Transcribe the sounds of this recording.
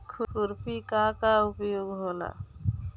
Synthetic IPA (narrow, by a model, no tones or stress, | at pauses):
kʰukuɾpikakaupjoɡɦola̰